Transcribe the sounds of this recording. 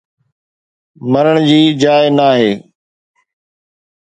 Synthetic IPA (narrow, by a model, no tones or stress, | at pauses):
məɾəɽ̃d͡ʑiːd͡ʑaːɪnaːɦeː